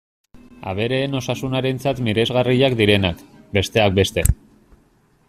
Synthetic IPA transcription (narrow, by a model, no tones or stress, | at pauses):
a̰β̞e̞ɾe̞ːno̞sasunaɾe̞nt͡sat̪miɾe̞zɣariʎakd̪iɾe̞nakbe̞st̪e̞ak̚be̞st̪e̞